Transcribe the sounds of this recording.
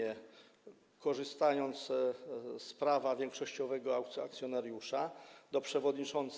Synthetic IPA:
ɛ | kɔʐɘst̪ajɔnt̪s | spɾavavʲjɛŋkʂɔɕt͡ɕɔvɛɡɔaak̚t̪sjɔnaɾjuʂad̪ɔpʂɛvɔd̪ɲit͡ʂɔnt̪s

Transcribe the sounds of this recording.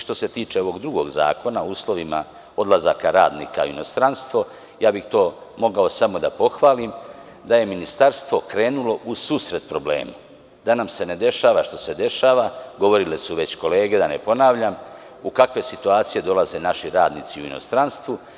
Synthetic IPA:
ʃt̪o̞se̞t̪iːt͡ʃeo̞ʋo̞ɡd̪ɾuɡo̞ɡza̰ːko̞nauːslˠo̞ʋima̰ | o̞d̪lazakaɾa̰ːd̪nḭːka̰ino̞st̪ɾanst̪ʋo̞ | jaːbixt̪o̞ːmo̞ɡao̞samo̞d̪apo̞xʋaːlim | d̪aje̞minist̪aɾst̪ʋo̞kɾe̞ːnulo̞ʔusuːsɾe̞t̪̚pɾo̞ble̞̰ːma | d̪anamse̞ne̞d̪e̞ʃaːʋaʃt̪o̞se̞d̪e̞ʃaːʋaɡo̞ʋo̞ɾilesuʋe̞t͡ɕko̞le̞ːɡe̞d̪ane̞po̞naːʋʎam | ukakʋe̞sit̪uaːt̪sije̞d̪o̞laze̞naʃiɾaːd̪nit̪siuino̞̰st̪ɾanst̪ʋu

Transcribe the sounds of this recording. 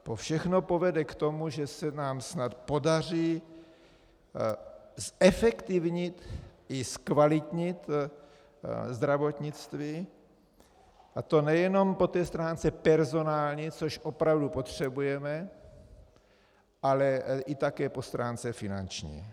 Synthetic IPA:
pofʃɛxnopo̞vɛdɛkt̪o̞muʒɛsɛnaːmsnat̪po̞dar̝iː | sɛfɛkt̪ɪvɲɪt̪ɪskvalɪt̪ɲɪt̪ | zd̪ɾavot̪ɲɪt͡st̪viː | ʔat̪o̞nɛjɛno̞mpo̞t̪ɛːst̪ɾaːnt͡sɛpɛɾzonaːlɲit͡soʃʔopɾavdupo̞t̪r̝̥ɛbujɛmɛ | ʔalɛʔɪt̪akɛːpo̞st̪ɾʔaːnt͡sɛfɪna̰nt͡ʃɲḭː

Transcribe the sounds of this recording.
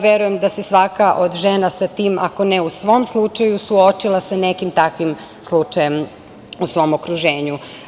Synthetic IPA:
ʋjeɾuje̞md̪asesʋakaʔod̪ʒe̞nasat̪iːma̰ko̞neusʋo̞ːmslˠut͡ʃajusuot͡ʃilˠasanekimt̪akʋim | slˠut͡ʃajem | usʋo̞mokɾuʒe̞ːɲu

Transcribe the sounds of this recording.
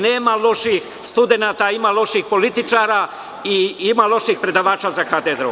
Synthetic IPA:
neːmalo̞ʃix | st̪ud̪e̞naːt̪aimalo̞ʃixpo̞lit̪it͡ʃaːɾa | iimalo̞ʃixpɾe̞d̪aʋaːt͡ʃaːzaxat̪ed̪ɾo

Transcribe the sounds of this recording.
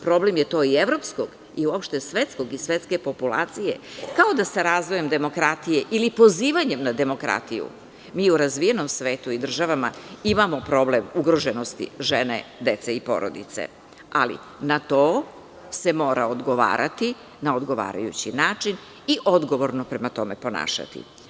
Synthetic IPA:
pɾo̞ble̞mje̞t̪o̞ːievɾo̞pskoɡ | iuopʃt̪esʋe̞t̪skoɡisʋe̞t̪ske̞po̞pulˠa̰ːt̪sije̞̰kaod̪asaɾaːzʋoje̞md̪e̞mo̞kɾat̪ijeʔilipo̞ziːʋaɲe̞mnad̪e̞mo̞kɾa̰t̪ijṵ | miːuɾazʋijeno̞msʋeːt̪uid̪r̩ʒaʋama̰imamo̞pɾo̞blemuɡɾo̞ʒeno̞st̪ḭʒenḛd̪e̞t̪seipo̞̰ɾo̰d̪ḭt̪sḛ | a̰lḭ | nat̪o̞ː | se̞mo̞ːɾaod̪ɡo̞ʋa̰ːɾʔa̰t̪i | naod̪ɡo̞ʋa̰ːɾa̰jṵt͡ɕinaːt͡ʂin | iʔo̞d̪ɡo̞ʋo̞ɾnopɾe̞mat̪o̞mepo̞na̰ːʃa̰t̪ḭ

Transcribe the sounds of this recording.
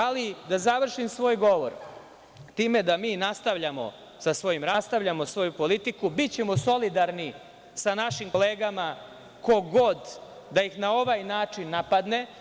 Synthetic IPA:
alid̪azaʋr̩ʃimsʋo̞ːjɡo̞ʋo̞̰ɾ | t̪iːme̞d̪amiːnast̪aʋʎamo̞̰ | sasʋo̞jimɾast̪aʋʎamo̞sʋo̞jupo̞lit̪ikubit̪t͡ɕe̞mo̞so̞lid̪aɾni | sanaʃimkole̞ːɡama | ko̞ɡo̞d̪ | d̪ajixnao̞ʋajnaːt͡ʂinːapad̪ne̞

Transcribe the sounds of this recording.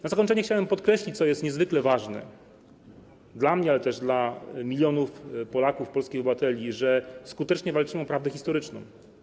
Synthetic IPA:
nazakɔɲt͡ʂɛɲɛxt͡ɕawɛmpɔt̪kɾɛɕlʲit͡ɕt̪sɔjɛst̪ɲɛzvɘklɛvaʐnɛ̰ | d̪lamɲɛalɛt̪ɛʐd̪lamʲilʲjɔnufpɔlakufpɔlskʲijɔbɨvat̪ɛlʲiʐɛskut̪ɛt͡ʂɲɛvalt͡ʂɘmɘɔpɾavd̪ɛxʲist̪ɔɾɘt͡ʂnɔ̰̃w̃

